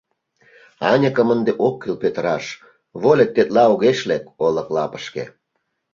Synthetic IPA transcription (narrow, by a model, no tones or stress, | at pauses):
ɑnʲəkəmənd̪eʔokːelpøt̪əɾɑʃ | βolʲek̚t̪ːet̪lɑoɣeʃlekoləklɑpə̥ʃkḛ